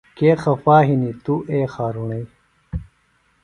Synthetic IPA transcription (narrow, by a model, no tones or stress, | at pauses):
keːxɐfaːɦinit̪uʔeːxaːɾuɳɐj